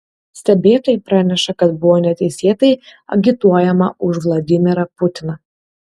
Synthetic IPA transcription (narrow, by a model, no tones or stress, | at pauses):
sʲt̪ʲɛbʲeːt̪oːjɪpɾɑːnʲɛʃɐkɐt̪bʊʋoːnʲɛt̪ʲɛɪsʲeːt̪ɐɪɐ̰ɡʲɪt̪uɔjɛmɐʔʊʃʋlˠɐd̪ʲɪmʲɪɾɐpʊt̪ʲɪnɐ